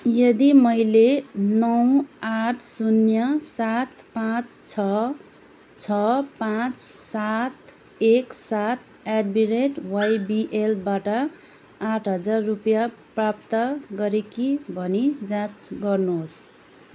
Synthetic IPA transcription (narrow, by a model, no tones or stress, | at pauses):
jʌd̪imʌjlenʌw̃aʈʰsunjʌsat̪ | pãt͡st͡sʰʌ | t͡sʰʌpãt͡s | sat̪ | eksat̪̚ʰ | aɖbiɾeʈwajbiʔelbaʈʌ | aʈʰɦʌd͡zarːupjaprap̚t̪ʌɡʌɾekibʱʌnid͡zãt͡sɡʌrnos